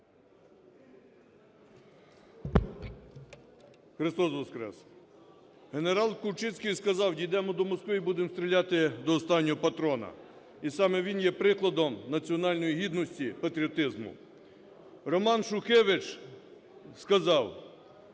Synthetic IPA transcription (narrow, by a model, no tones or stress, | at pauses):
xɾɪst̪ɔsʋɔskɾɛ̰s | ɦe̞neɾɑlˠkʊwt͡ʃɪt͡sʲkʲijskɐzɑwdʲijd̪ɛmɔd̪ɔmɔskʋɪibud̪emst̪ʲɾʲilʲɑt̪ɪd̪ɔːst̪ɑnʲːɔɦɔpɐt̪ɾɔnɐ̰ | isɑmɛʋʲinjɛpɾɪklˠɐd̪ɔmnɐt͡sʲiɔnɑlʲnɔjiɦid̪nɔsʲtʲipɐt̪ɾʲiɔt̪ɪzmʊ̰ | rɔmɑnʃʊxɛʋɪt͡ʃ | skɐzɑw